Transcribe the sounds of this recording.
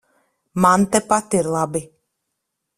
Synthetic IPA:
mant̪ɛpat̪iɾlˠabi

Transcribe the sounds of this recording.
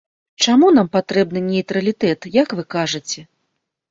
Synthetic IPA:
t͡ʂamunampat̪ɾɛb̚nɨnʲɛjt̪ɾɐlʲit̪ɛt̪jakvɨkaʐɨt͡sʲɛ

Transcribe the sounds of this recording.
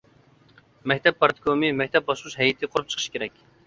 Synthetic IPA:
mɛk̚ʲt̪ʰɛpːɑɾt̪ʰɪ̥kʰomɨmɛk̚ʲt̪ʰɛp̚bɑʃlˠuʃɦɛjit̪ʰɨqʰoɾup̚t͡ʃʰə̥qʰəʃkʲʰeɾɛkʲ

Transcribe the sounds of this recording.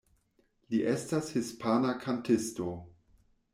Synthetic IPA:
liʔe̞stashispʰanakʰantʰɪsto̞

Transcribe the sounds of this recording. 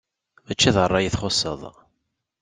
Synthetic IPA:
ðæt͡ʃːæðərˤːɑjiθχosˤə̰ðˤ

